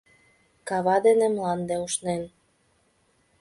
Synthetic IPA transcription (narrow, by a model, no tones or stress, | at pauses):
kɑβɑd̪enemlɑnd̪euʃnen